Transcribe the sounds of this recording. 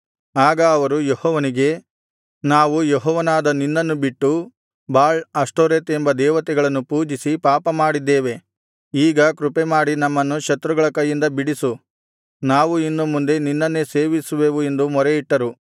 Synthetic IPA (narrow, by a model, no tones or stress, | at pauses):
aːɡɐːʋɐɾujɔhɔːʋɐniɡe̞ | naːʋujɔɦɔːʋɐnaːd̪ɐninːɐnːubiʈːu | baːɭɐsʈoːɾeːt̪e̞mbɐd̪ɛːʋɐt̪ɛɡɐɭɐnːupuːd͡ʒisipaːpɐmaːɽid̪ːeːʋe̞ | iːɡɐkɾupemaːɽinɐmːɐnːuʃɐt̪ɾuɡɐɭɐkɐjːind̪ɐbiɽisu | naːʋuinːɐmːund̪e̞ninːɐnːe̞se̞ːʋisuʋe̞ːʋue̞nd̪umɔɾeiʈːɐɾu